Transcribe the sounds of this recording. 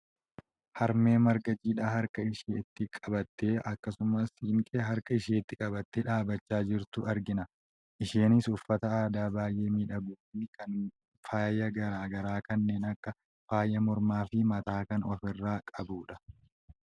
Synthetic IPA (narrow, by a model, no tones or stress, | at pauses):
hɐɾme̞ːmɐɾɡɐd͡ʒiːᶑaːɦɐɾkɐɪʃeːt̪ːɪkʼɐbɐt̪ːe̞ːʔɐkːɐsʊmɐshiŋkʼeːɦɐɾkʼɐɪʃeːɪt̪ːɪkʼɐbɐt̪ːeːᶑaːbɐt͡ʃːaːd͡ʒɪɾt̪ʊʔɐɾɡɪnɐ | ʔɪʃeːnɪsʊfːɐt̪ɐaːd̪aːbaːjʔe̞ːmiːᶑɐɡuːfikɐn | faːjːɐɡɐɾaːɡɐɾaːkɐnːe̞ːnɐkːɐ | faːjɐmɔɾmaːfɪmɐt̪aːkɐnɔfɪrːaːkʼɐbuːᶑɐ̥